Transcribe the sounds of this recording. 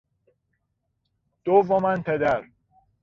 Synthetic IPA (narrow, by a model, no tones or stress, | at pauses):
d̪̥ovomænpʰed̪æɾ